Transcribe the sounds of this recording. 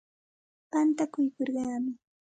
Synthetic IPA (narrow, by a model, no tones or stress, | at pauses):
pant̪akʊjkoɾɢɑːmɪ